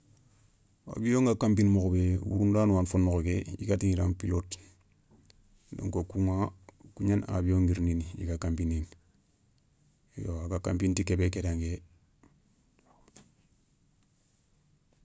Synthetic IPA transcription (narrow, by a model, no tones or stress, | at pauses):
wa̰bijoŋɡakampinmokbewṵɾundaːnwanfonːokokejḭkatiŋiɾanpilot | no̰ŋkokuŋakuɲana̰bijoŋɡiɾninijḭkakampinin | jo̰akakampintikebekedaŋɡe